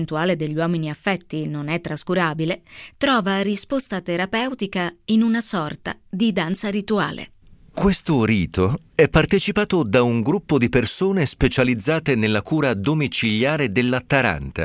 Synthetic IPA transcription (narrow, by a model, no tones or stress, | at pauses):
nt̪uaːled̪eʎːwɔːminiafːɛt̪ːinonɛt̪ːɾaskuɾaːbilet̪ɾɔːvaɾispost̪at̪eɾapɛwt̪ikainunasɔrt̪a̰d̪id̪ant̪saɾit̪ua̰ːlʔḛ | kwest̪oɾiːt̪o | ɛpːart̪et͡ʃipaːt̪od̪auŋɡɾupːod̪ipersoːnespet͡ʃalid̪zːaːt̪enelːakuːɾad̪omit͡ʃiljaːɾed̪elːat̪ːaɾa̰nt̪a̰